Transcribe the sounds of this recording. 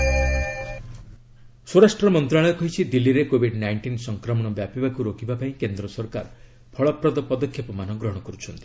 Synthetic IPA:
soɾasʈɾɔmɔnt̪ɾaɭɔjkɔɦit͡ʃʰid̪ilːiɾekobʱiɖnajɳʈinsɔŋkɾɔmɔɽ̃ɔbjapibakuɾokʰibapaĩkend̪ɾɔsɔɾkaɾ | pʰɔɭɔpɾɔd̪ɔpɔd̪ɔkʰːjɔpɔmanɔɡɾɔɦɔɽ̃ɔkɔɾut͡ʃʰɔnt̪i

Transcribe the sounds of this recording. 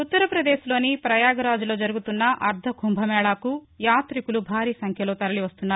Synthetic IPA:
ut̪ːɐɾɐpɾɐd̪e̞ːʃlo̞ːnipɾɐjaːɡɐɾaːd͡ʒulo̞ːd͡ʒɐɾuɡut̪unːɐʔɐɾd̪ʱɐɡʱumbʱɐmɛːɭaːku | jaːt̪ɾikulubʱaːɾiːsɐŋkʰjɐlo̞ːt̪ɐɾɐliʋɐst̪unːaːɾu

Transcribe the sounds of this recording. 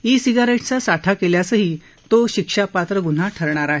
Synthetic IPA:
isiɡaɾeʈt͡sasaʈʰakeljasəɦiː | t̪oɕikʂapat̪ɾəɡun̤aʈʰəɾɳaɾaɦe

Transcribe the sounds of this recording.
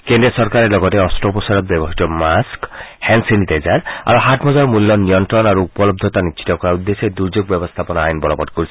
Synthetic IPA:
kend̪ɾesɔɾkaɾelɔɡɔteɔstɾɔpɔsaɾɔt̪̚bjɔbɔɦit̪ɔmaskhɛnsinitezaɾa̰ɾoɦatʰmɔzɔɾmulːɔnijɔntɾɔnaɾuupɔlɔb̚d̪ʱɔt̪aniʃʰi̥t̪ɔkɔɾaud̪ːesed̪uɾd͡ʒoɡ̚bjɔbɔst̪ʰapɔnɔajɔnbɔlɔpɔdkoɾisʰi̥

